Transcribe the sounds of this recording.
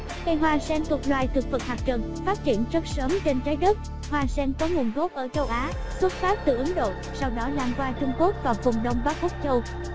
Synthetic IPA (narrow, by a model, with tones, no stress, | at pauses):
ka˧jɦwaː˧sɛ˧nt̪u˨˩ək̚lwaː˨˩jt̪ʰɨ˨˩k̚vɨ˨˩k̚haː˨˩k̚t͡ɕə˨˩n | faː˦˥t̚t͡ɕi˧˩ənzə˦˥t̚səː˨˦mt͡ɕe˧nt͡ɕaː˨˦jɗə˦˥t̚ | hwaː˧sɛ˧nkɔ˨˦ŋu˨˩ənɣo˦˥p̚ʔəː˧˩t͡ɕə˧wʔaː˨˦ | swə˦˥t̚faː˦˥p̚t̪ɨ˨˩ʔə˨˦ŋɗo̰˧˨ | sa˧wɗɔ˨˦laː˧mkwaː˧t͡ɕʊ˧ŋ͡mku˦˥ək̚vaː˨˩wfʊ˨˩ŋ͡mɗə˧wŋ͡mɓaː˦˥k̚ʔʊ˦˥k͡p̚t͡ɕə˧w